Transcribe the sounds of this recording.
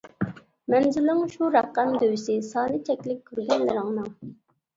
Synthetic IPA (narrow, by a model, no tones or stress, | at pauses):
mɛnzɪlɪŋʃuɾæqːæmd̪øwɪsɪsɑːnɨt͡ʃʰɛkʲlɪk̚ʲʰːyɾɡʲɛnlɪɾɪŋnɨŋ